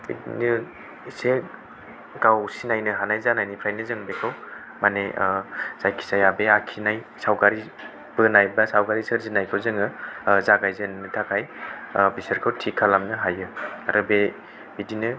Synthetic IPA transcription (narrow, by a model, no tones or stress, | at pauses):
bḭdinɯ | se | ɡ̥awsinajnɯɦanajzanajnipʰɾajnɯzɯŋbekʰaw | maneʔz̥ajkʰi̥sajabeakʰinaj | sawɡaɾi | b̥ɯnajbasawɡaɾisɯɾzinajkʰɯwzɯŋɯzaɡajzɯnnɯtʰakʰajbiseɾkʰɯwtʰikʰalamnɯɦajɯa̰ɾɔbe | bidinɯ